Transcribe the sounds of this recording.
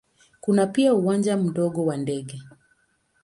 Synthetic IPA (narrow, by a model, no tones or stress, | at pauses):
kunapiauwand͡ʒam̩ɗɔɠɔwandɛɠɛ